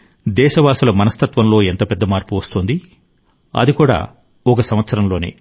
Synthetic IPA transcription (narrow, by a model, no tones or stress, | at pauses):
d̪ɛːʃɐʋaːsulɐmɐnɐst̪ʰɐt̪ʋɐmlo̞ːent̪ɐpɛd̪ːɐmaːɾpuʋɐst̪ond̪i | ɐ̰d̪ikuːɽa̰ː | ɔkɐsɐmʋɐt̪sɐɾɐmlo̞ːnḛː